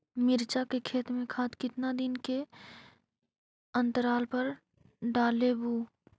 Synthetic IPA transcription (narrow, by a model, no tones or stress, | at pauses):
mɪɾt͡ʃakekʰeːt̪mẽkʰaːt̪kɪt̪nad̪ɪnke | ə̃nt̪əɾaːlpɐɾ | ɖaːlebuː